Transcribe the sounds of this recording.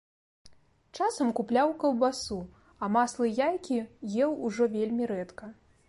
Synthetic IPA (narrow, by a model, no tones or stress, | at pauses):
t͡ʂasɐmkuplʲawkɐwbasu | ɐmaslˠɨjajkʲijɛwuʐɔvʲelʲmʲiɾɛt̪kɐ